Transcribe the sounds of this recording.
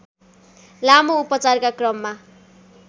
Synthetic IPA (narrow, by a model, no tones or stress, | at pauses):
lamoupʌt͡sarkakrʌmːa